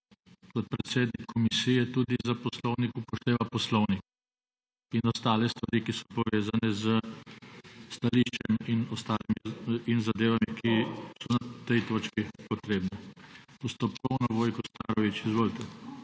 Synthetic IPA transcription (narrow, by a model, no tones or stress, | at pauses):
kɔt̪̚pɾɛt̪t̪seːd̪nikʰːɔmisijɛt̪ud̪izapɔslɔwnikupɔʃt̪eːʋapɔslɔwnik | inɔst̪aːlɛst̪ʋaɾiːkisɔpɔʋeːzanɛzə | st̪aliʃt͡ʃɛminɔst̪aːlimiinzad̪eːʋamikisɔnat̪ɛjt̪oːt͡ʃkipɔt̪ɾeːbnɛust̪ɔpkɔwnɔʋoːjkɔst̪a̰ːɾɔʋit͡ʃizʋoːlt̪ɛ